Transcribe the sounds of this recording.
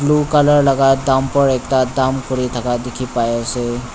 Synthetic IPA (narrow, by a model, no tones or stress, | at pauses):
blukələɾlɐɡad̪aːmpəɾeːk̚t̪ad̪aːmkʊɾit̪ʰɐkad̪ɪkʰipaːjese